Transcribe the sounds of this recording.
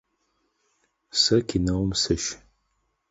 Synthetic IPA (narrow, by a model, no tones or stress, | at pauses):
sɐkʰinɐwmsɨʃ